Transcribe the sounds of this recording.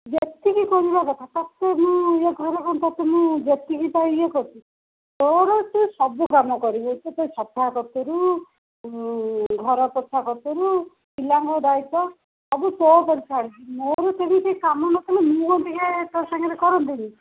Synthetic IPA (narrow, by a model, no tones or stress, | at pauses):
bet̪ikikɔɾibakɔt̪ʰat̪at̪emũeɡʱɔɾekɔnt̪at̪emũbjet̪ikit̪aiekɔt̪i | t̪ɔɾɔt̪usɔbukamɔkɔɾibot̪ʰet̪ɔjsɔt̪ːakɔt̪oɾu | ɡʱɔɾɔpɔt̪ʰːakɔt̪ɔɾu | silaŋɡɔd̪ajt̪ɔ | abut̪ɔpɔɾisʰaɽitimoɾut̪ebĩt̪ekamɔnɔt̪ʰalemũkɔnt̪ikat̪ɔsaŋɡaɾekɔɾɔnt̪ini